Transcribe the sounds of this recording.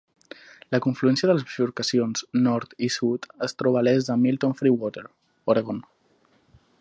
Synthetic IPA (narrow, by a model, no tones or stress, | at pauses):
ləkuɱfluɛnsijəðələzʃuɾkəsionznɔɾt̪isut̪əst̪ɾɔβalɛzðəmilˠt̪onfɾiwɔt̪eɾ | oɾeɣon